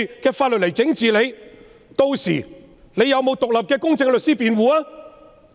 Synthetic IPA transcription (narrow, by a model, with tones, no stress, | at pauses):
kɛː˧faː˧t̚lt̚le˨˩jt͡sɪ˨˥ŋt͡siː˨le˨˧j | t̪o˧wsḭː˨˩ | le˨˧jɐ˨˧wmo˨˧wt̪ʊ˨k̚lɐ˨p̚kɛː˧kʊ˥ŋt͡sɪ˧ŋlɵ˨t̚siː˥piː˨˧nwuː˨˧aː˥